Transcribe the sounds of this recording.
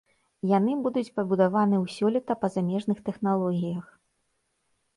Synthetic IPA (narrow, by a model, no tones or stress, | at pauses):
janɨbud̪ut͡sʲpɐbud̪avanɨwsʲɔlʲit̪ɐpɐzamʲɛʐnɨxt̪ɛxnalˠɔɣʲijɐx